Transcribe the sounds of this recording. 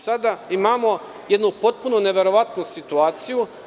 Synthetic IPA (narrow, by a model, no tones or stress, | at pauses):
sad̪aimaːmo̞ | je̞d̪nupo̞t̪̚punone̞ʋe̞ɾo̞ʋat̪nusit̪uaːt̪siju